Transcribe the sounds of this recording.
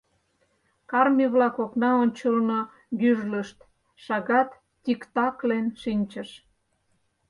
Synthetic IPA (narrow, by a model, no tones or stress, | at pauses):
kɑrmʲiβlɑkoknɑonʲt͡ɕəlno | byʒləʃt̪ | ʃɑɣɑt̪ | tʲikt̪ɑklenʃinʲt͡ɕə̆ʃ